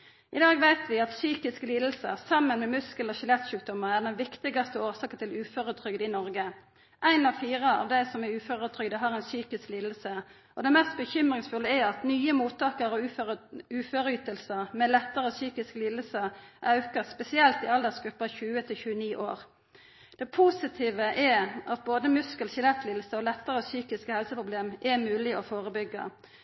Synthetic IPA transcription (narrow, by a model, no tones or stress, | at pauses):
ʔɪd̪ɑːɡʋæɪt̪ʰʋɪɑt̪syːkɪskəliːd̪l̩səsɑmːənmɛmʉskəlɔçɪlɛt̪ʃʉːk̚d̪ɔmːəʁæʁd̪ɛnʋɪkt̪ɪɡɑst̪əoːʁsɑːkət̪ʰɪlʉːfɔʁʉt̪ʰʁʏɡd̪ɪnɔʁɡə | ʔæɪnɑʋfiːʁəɑ̰ʋd̪æɪsɔmɛʉːfoʁʉt̪ʰʁʏɡd̪əɦɑʁæɪnsyːkɪskliːd̪l̩sə | ʔɔd̪ɛmæst̪̚bəçʏmʁɪŋsfʉlːəæɑt̪nyːəmuːt̪ʰːɑːkəʁɔ | ʉːføːɾəyːt̪əlsəmɛlɛt̪ːəʁəɔsyːkɪsklɪːləsəʔɑʉkəspɛsɪɛlt̪ɪɑld̪əʁsɡɾʉpːɑçʉːət̪ʰɪlçʉːəniːʔo̰ːʁ | d̪̥ɛpʰusɪt̪ʰiːʋəʔɛɑt̪̚boːd̪əmʉskəlçɪlɛt̪lɪːd̪̩səɔlɛt̪ːəʁəsyːkɪskəhɛlsəpʰʁʊbleːmʔɛmʉːlɪɔfoːʁəbʏɡːə̰